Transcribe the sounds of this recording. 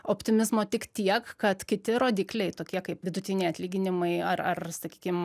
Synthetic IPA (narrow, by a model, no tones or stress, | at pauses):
oːpʲt̪ʲɪmʲɪzmoːt̪ʲɪkt̪ʲiɛkkɐt̪kʲɪt̪ʲɪɾoːd̪ʲiːklʲɛɪt̪oːkʲiɛkɐɪpʋʲɪd̪ʊt̪ʲɪnʲɛɪɐt̪ʲlʲiːɡʲɪnʲɪmɐɪɐrɐrsɐkʲiːkʲɪm